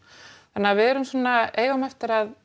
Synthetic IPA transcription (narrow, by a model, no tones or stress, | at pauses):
θanːaavɪðɛɾʏmsɔːnːaeːjɣamɛft̪ɪɾað